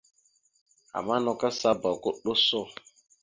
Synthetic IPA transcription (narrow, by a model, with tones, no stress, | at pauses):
a̰˨ma˦nɔ˨ka˦sa˦bɔ˨kʊ˦ɗʊ˦sʊ˦˨